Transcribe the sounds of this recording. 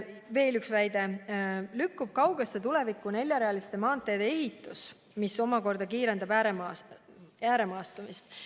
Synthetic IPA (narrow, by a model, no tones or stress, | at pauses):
ve̞ːlyksvæjd̪̥e̞lykːub̥̚kɑwɡest̪et̪ule̞vikːˑune̞lʲːjɑɾeɑlist̪e̞mɑːnt̪ːˑe̞jd̪ee̞ɦit̪ːˑus | miso̞mɑko̞rd̪̥ɑkiːɾe̞nd̪ɑbæɾemɑ | æːɾe̞mɑːst̪ɑmist̪